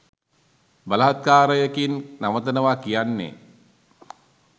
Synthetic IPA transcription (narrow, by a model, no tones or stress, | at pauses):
baləɦat̪̚kaːɾəjəkinnaʋət̪ənəʋakijanːḛ